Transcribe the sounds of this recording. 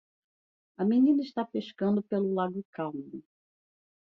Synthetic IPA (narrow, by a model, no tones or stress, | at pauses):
ɐminĩnɐiʃt̪apeʃkɐ̃nd̪ʊpelʊlaɡʊkawmʊ